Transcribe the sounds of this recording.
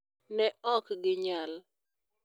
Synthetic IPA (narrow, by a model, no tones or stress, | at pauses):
nɛɔkɡɪɲal